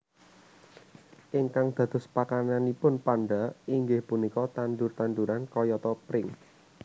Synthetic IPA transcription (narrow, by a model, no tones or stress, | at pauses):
ʔɪŋkaŋd̪̥ä̤d̪̥ʊ̤spakananipʊnpanɖaiŋɡɪhpunikɔt̪anɖ̪ʊrt̪anɖ̪uɾankɔjɔt̪ɔpɾɪŋ